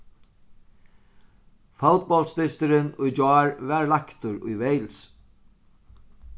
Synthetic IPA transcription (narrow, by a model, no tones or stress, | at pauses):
fawt̪̚bɔlst̪ɪst̪ɪɾɪnʊjd͡ʒaːɹvɛɹlakt̪ʊɾʊ̰jvejls